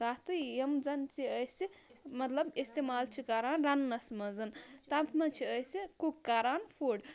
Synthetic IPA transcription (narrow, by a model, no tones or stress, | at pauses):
at̪ɨjemd͡zɐnt͡ʃiəjsimɐt̪ləbist̪emaːlt͡ʃʰikaɾaːnɾanːɐsmɐzɐnt̪ampʰmɐt͡ʃʰiəjsikukːaɾaːnpʰuɖ